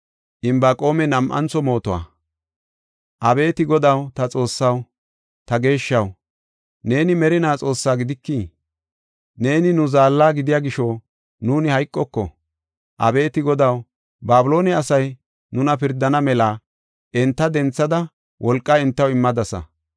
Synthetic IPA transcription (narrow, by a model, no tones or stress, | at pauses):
ʔɪmbaːkʼo̞ːmɛnɐmʔɐ̰nt͡sɔmo̞ːt̪ɔwa̰ː | ʔɐbe̞ːt̪ɪɡɔd̪ɐwt̪ɐt͡sʼo̞ːsːɐw | t̪ɐɡe̞ːʃːɐw | ne̞ːnɪmɛɾɪnaːt͡sʼo̞ːsːaːɡɪd̪ɪkːiː | ne̞ːnɪnʊzaːlːaːɡɪd̪ɪjaːɡɪʃoː | nuːnɪhɐjkʼːɔkːɔ̰ | ʔɐ̰be̞ːt̪ɪɡɔd̪ɐw | baːbʊlo̞ːnɪɐsɐj | nʊnɐpɪɾd̪ɐnɐmɛla | ʔɛnt̪ːɐd̪ɛnt͡sːɐd̪ɐ | wʔɔlkʼːɐɪnt̪ːɐwɪmːɐd̪ɐsɐ̰